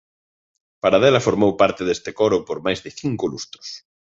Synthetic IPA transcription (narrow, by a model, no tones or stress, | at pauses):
paɾaðelafoɾmowpaɾt̪eðest̪ekoɾʊpoɾmajzðɪθiŋkolust̪ɾʊ̥s